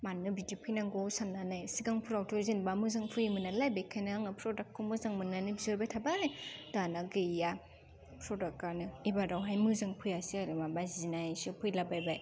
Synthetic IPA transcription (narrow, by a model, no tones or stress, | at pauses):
manːɯbidipʰɯjnaŋɡowsanːanɯjsiɡaŋpʰuɾawtʰozinbamɯzaŋpʰɯjmɯnalajbejkʰajnɯaŋɯpʰɾɔdak̚ʰːomɯzaŋmɯnːanɯbizoɾbajtʰabajdanaɡɯja | pʰɾɔdak̚anɯibadawɦajmɯzaŋpʰɯjasiaɾɯmabazinajajsɯpʰɯjlabajbaj